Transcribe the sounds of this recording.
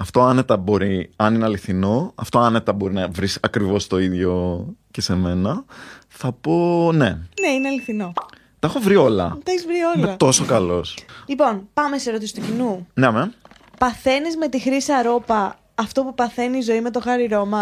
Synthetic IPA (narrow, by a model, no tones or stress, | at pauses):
ɐft̪o̞ɐnet̪ɐbo̞ɾiɐnineɐliθino̞ɐ̰ft̪o̞ɐnet̪ɐbo̞ɾinɐvɾisɐkɾivo̞st̪o̞iðʝo̞ce̞se̞me̞nɐθɐpo̞ne̞neineɐliθino̞ | t̪ɐexo̞vɾio̞lɐ̰t̪ɐeçizvɾiolneɐt̪o̞so̞kɐlo̞slipo̞npɐmeseɾo̞t̪isi̥t̪ucinuneme | pɐθe̞nizme̞t̪ixɾisɐɾo̞pɐː | ft̪o̞pupɐθe̞niːzo̞ime̞t̪o̞xɐɾiɾo̞mɐ